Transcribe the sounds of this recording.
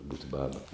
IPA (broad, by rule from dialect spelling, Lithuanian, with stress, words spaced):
buːtʲ ˈbɑːbɐ